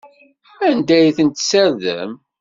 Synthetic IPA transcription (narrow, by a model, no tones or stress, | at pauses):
ænd̪æjθənt̪səɾðə̰m